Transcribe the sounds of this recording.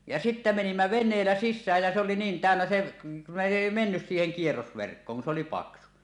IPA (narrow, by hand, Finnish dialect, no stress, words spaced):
jɑ sitːæ menimːæ ʋenˑeːlːæ sisːæːj jæ se oli niːn tæˑønːæ se ne eˑi menːys siːheŋ kierːosʋerkːoːŋ kun s oli pɑksu